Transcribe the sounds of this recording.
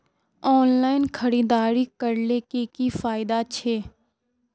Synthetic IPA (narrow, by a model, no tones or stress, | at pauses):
ɔːnlaːɪnkʰɐɾiːd̪aːɾikəɾlekekifaːɪd̪at͡ʃʰeː